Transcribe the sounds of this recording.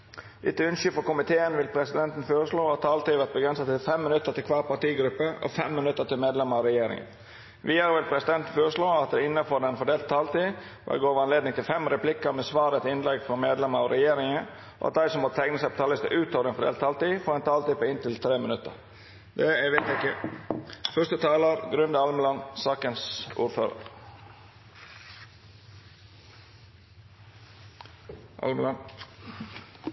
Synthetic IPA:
ʔɪt̪ːəʉnʃʏfɔkʊmɪt̪ʰeːənʋɪlpʰɾɛsɪd̪ɛnt̪n̩føːɾəʂɭoːɑt̪ːʰɑːlt̪iːʋæʁt̪̚bəɡɾɛnsət̪ɪlfɛmːɪnʉt̪ːəɾt̪ɪlkʰʋɑːɾpɑʈ̪iːɡɾʉpːəɔ̰fɛmːɪnʉt̪ːət̪ɪlmeːd̪lɛməɑʋɾɛjeːɾɪ̰ŋə̰ | ʋiːəɾʋɪlpʰɾɛsɪd̪ɛnt̪n̩føːɾəʂɭoːɑt̪̚d̪ɛɪnːəfɔɖ̪ɛnfɔɖ̪eːlt̪̚t̪ʰːɑːlt̪iː | ʋɛ̰ɡoːʋəɾɑnleːd̪nɪŋt̪ʰɪlfɛmɾɛpʰlɪkːəɾmɛsʋɑːɾət̪ɪnlɛɡfʁɑmeːd̪lɛməɑʋɾɛjeːɾɪŋə | ʔo̰ɑ̰t̪̚d̪æɪsɔmɔt̪ʰæɪŋnəsæɪpɔt̪ʰɑlɪst̪ə̰ʔʉːt̪oːʋəɾənfɔɾɛ̰lt̪ʰɑːlt̪iːfɔːɛnt̪ʰɑːlt̪iːpoːɪnt̪ɪlt̪ʰɾeːmənʉt̪ːə̰ɾ | d̪ɛæʋɛt̪ɪkːə | fœʂtət̪ʰɑːləɾɡɾʉnd̪əɑlməlɑnsɑːkənsṵːɾføːɾə̰ɾ | l

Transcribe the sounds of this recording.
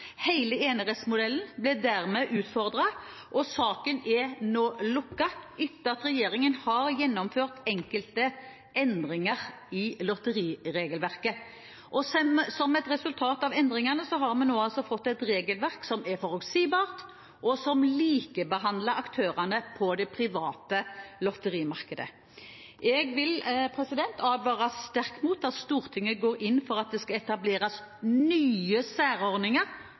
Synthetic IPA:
hæɪləeːnəʁɛsmʊd̪ɛln̩blɪd̪æʁmɛʔʉːt̪fɔʁd̪ʁɑ | ʔɔsɑːkənɛnoːlʊkːɑʔʏt̪ːəɑt̪ɾɛjeːɾɪŋənhɑɾjɛnːɔmføːʁt̪ɛŋkəlt̪ə | ɛnd̪ʁɪŋəʁ | ɪlɔt̪əɾiːɾeːɡəlʋæʁkə | ʔɔsmsɔmɛt̪ʁɛsʉlt̪ʰɑːt̪ɑʋɛnd̪ʁɪŋɑnəsɔɦɑɾmɛnnoːɑlsɔfɔt̪ːɛt̪ɾeːɡəlʋæʁksɔmɛfɔʁʉksiːbɑːʁt̪ | ʔɔsɔmliːkəbəɦɑnd̪ləɑkt̪ʰøːʁɑnəpʰɔd̪ɛpʰɾɪʋɑːt̪əlɔt̪əɾiːmɑʁkəd̪ə̰ | ʔɛɡʋɪlpʰɾɛsɪd̪ɛnt̪ʰɑːd̪ʋɑːʁɑst̪æʁkmuːt̪ːɑt̪st̪uːɾt̪ʰɪŋːəɡoːɾɪnːfɔɾɑt̪̚d̪ɛskɑɛt̪ɑbleːɾɑs | nyːəsæːɾɔɾdnɪŋəɾ

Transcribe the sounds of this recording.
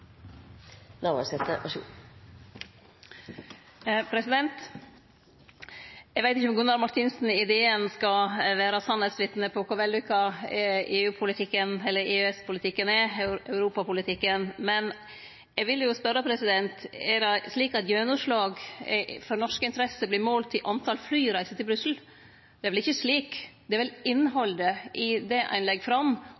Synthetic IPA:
nɑʋɑ̰sɛt̪ːəʔɑʃṵː | pʰɾɛsɪd̪ɛnt̪ | ɛɡʋæɪt̪ɪçəɔmɡʉnːɑʋmɑʈ̪ʰɪnsn̩ɪd̪eːənskɑʋæːɾɑsɑnhɛsʋɪt̪nəpʰɔkʊɾʋɛld̪ɪkʰɑ | eːʉːpʰʊlɪt̪ʰɪkːənɛlːəɾʔeːøɛspʰʊlɪt̪ʰɪkːənɛœʉɾuːpɑpʊlɪt̪ʰɪkːənmɛn | ɛɡʋɪljʊspœɾːəpʰɾɛsɪd̪ɛnt̪ɛɾɛsliːkɑt̪jøːnʊʂɭɑːɡfɔɾnɔʂkəɪnt̪əɾɛsəblɪɾmoːlt̪ʰɪʔɑnt̪ʰɑlflyːɾæɪsət̪ʰɪlbɾʉsl̩ | d̪ɛæɾʋɛlɪçːəsliːkd̪ɛæɾʋɛlɪnːɦɔld̪əʔɪd̪ɛʔæ̰ɪnlɛɡːfɾɑm

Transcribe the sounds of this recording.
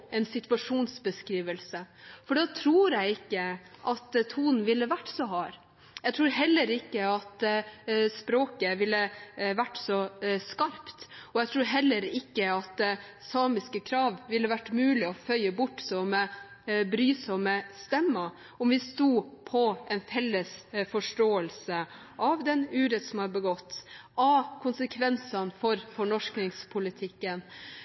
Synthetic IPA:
ɛnsɪt̪ʋɑʂuːnsbəskɾiːʋəlsəfɔɖɑːt̪ʰɾuːɾjæɪɪkːəʔɑt̪t̪ʰuːnn̩ʋɪlːəʋæʈːsɔɦɑːɾ | jɛɡt̪ʰɾuːɾɦɛlːəɾɪkːəɑt̪ | spɾoːkəʋɪlːəʋæʈːsɔskɑɾpt̪ɔjɛɡt̪ʰɾuːɾɦɛlːəɾɪkːəɑt̪sɑːmɪskəkʰɾɑːʋʋɪlːəʋæʈːmʉːlɪɔfœʏəbʊʈːsɔmːə | bɾyːsɔməst̪ɛmːə | ɔmʋɪst̪uːpʰɔɛnfɛlːəsfɔʂʈoːəlsə | ʔɑʋd̪ɛnʉːɾət̪sɔmhɑbəɡɔt̪ːʔɑkʰʊnsəkʰʋɛnsɑnfɔɾfɔɳɔʂknɪŋspʰʊlɪt̪ʰɪkːən

